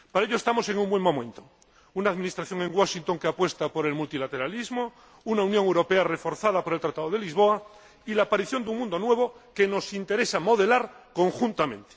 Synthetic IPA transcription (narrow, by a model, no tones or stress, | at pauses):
paɾaeʎoe̞st̪amo̞se̞ŋumbwe̞ŋmõ̞mẽ̞nt̪o | unaðmĩnist̪ɾaθjo̞ŋe̞ŋɡwaʃint̪o̞ŋkeapwe̞st̪apo̞ɾelmult̪ilat̪e̞ɾalizmo | unaunjoŋewɾope̞are̞fo̞ɾθað̞apoɾelt̪ɾat̪aðoðe̞lizβ̞o̞a | ilaːpaɾiθjo̞nd̪uŋmũnd̪o̞nwe̞β̞o̞keno̞sint̪e̞ɾe̞samo̞ð̞e̞laɾko̞ŋxunt̪amẽ̞nt̪e̥